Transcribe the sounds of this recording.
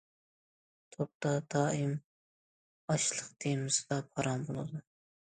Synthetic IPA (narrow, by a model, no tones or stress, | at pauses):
t̪ʰop̚t̪ɑd̪ɑːim | ɑʃlˠəqd̪ejmɪzvɛpʰɑɾɑnbolˠɨ̰d̪u